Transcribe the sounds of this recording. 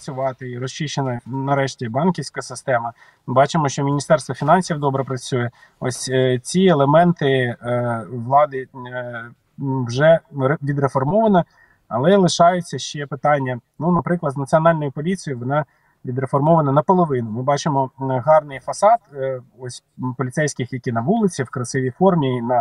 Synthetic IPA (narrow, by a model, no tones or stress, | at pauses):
ɐt͡sʲʊʋɑt̪ɪiɾɔst͡ʃiʃt͡ʃenɐnɐɾɛʃtʲibɑnkʲiwsʲkɐsɪst̪ɛmɐ | bɑt͡ʃɪmɔʃt͡ʃɔmʲinʲist̪ɛrst̪ʋɐfʲinɑnʲsʲiwd̪ɔbɾɛpɾɐt͡sʲujɛ | ɔ̰sʲt͡sʲielˠemɛnt̪ɪ | ʋlˠɑd̪ɪ | wʒɛʋʲid̪ɾefɔrmɔʋɐnɐ | ɐ̰lˠɛlˠɪʃɑjʊt͡sʲːɐʃt͡ʃɛpɪt̪ɑnʲːɐnunɐpɾɪklˠɐznɐt͡sʲiɔnɑlʲnɔjʊpɔlʲit͡sʲijʊʋɔnɑ | ʋʲid̪ɾefɔrmɔʋɐnɐnɐpɔlˠɔʋɪnʊmɪbɑt͡ʃɪmɔɦɑrnɪjfɐsɑt̪ɔsʲpɔlʲit̪sɛjsʲkɪxjɐkʲinɐʋulˠɪt͡sʲiwkɾɐsɪʋʲifɔrmʲinɐ